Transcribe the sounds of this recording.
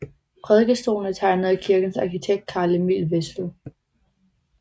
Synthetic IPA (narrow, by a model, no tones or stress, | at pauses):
pʰʁɛð̞ˠɡ̥əsd̥o̝̰ːln̩t͡sʰɑ̈ɪnəð̩ˠikʰiɐɡ̥n̩sɑ̈kʰit͡sʰeɡ̥̚d̥̚kʰɑ̈ːləmḭːlʋesl̩